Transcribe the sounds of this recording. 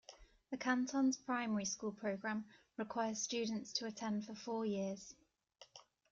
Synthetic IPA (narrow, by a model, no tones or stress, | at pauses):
ðəkʰãntʰɒ̃nz̥pʰɹ̥aɪmɛɹiskuːlˠpʰɹ̥əʊɡɹãm | ɹɪkʰw̥aɪəz̥st͡ʃʉːdⁿn̩tstʰəːtʰɛ̃nd̥fəfɔːjɪəz̥